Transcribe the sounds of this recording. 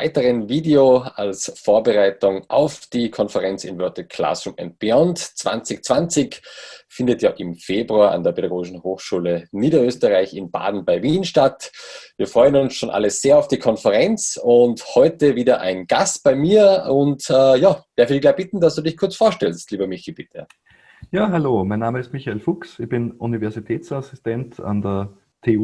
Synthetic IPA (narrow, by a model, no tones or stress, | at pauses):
aɪtəʁənviːdeoalsfoːɐbəʁaɪtʊŋʔa̰ʊfd̥iːkʰɔnfəʁɛnt͡sɪ̰nvœɐtəkʰla̰sʊmɛ̰nt̚b̥iɔntt͡sv̥a̰nt͡sɪçt͡sv̥ant͡sɪçfɪndətja̰ːʔɪmfeːbʁuaːa̰ndeːɐpʰeɾaɡoːɡɪʃn̩hoːxʃuːləniːɾɐøːstəʁaɪçɪnba̰ːdn̩baɪviːnʃtatviːɐfʁɔʏənʊnsʃoːnʔa̰ləz̥eːɐaʊfd̥iːkʰɔnfəʁɛnt͡sʊnthɔʏtəviːdɐʔa̰ɪnɡ̥astb̥aɪmiːɐʊntɛːjaːd̥ɛɐfədiçlaːb̥ɪtn̩dasd̥uːdɪçkʰʊɐt͡sfoːɐʃtɛlstliːbɐmɪçalb̥ɪtʰə̰ | jaːɦaloːmaɪnːaːməɪstmɪçaelfʊksɪçb̥ɪnunivɛɐzitʰɛːt͡sasɪstɛnta̰ndə | tʰeːu